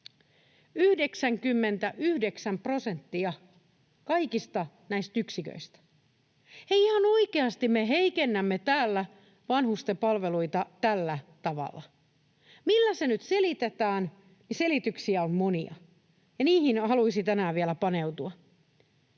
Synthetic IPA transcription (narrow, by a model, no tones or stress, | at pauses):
yhde̞ksæŋkymːe̞nt̪æʔyhde̞ksæmpro̞se̞nt̪ːiɑ | kɑjkist̪ɑ | næist̪yksikø̰ist̪æ̥ | eiihɑnoike̞ɑst̪immeɦe̞ikenːæmːet̪æːlːæ | ʋɑnhust̪epɑlʋe̞luit̪ɑt̪ælːæt̪ɑʋɑ̰lːɑ | milːæse̞nyt̪selit̪et̪æːn | nise̞lit̪yksiæommo̞niɑ̰ | jɑniːhinhɑluisit̪ænæːʋielæpɑne̞wt̪uɑ